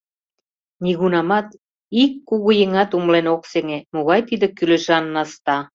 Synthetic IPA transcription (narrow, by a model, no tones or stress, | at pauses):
nʲiɣunɑmɑt̪ | ikːuɣujeŋɑt̪umlenokseŋemoɣɑjt̪id̪ĕkylĕʒɑnːɑst̪ɑ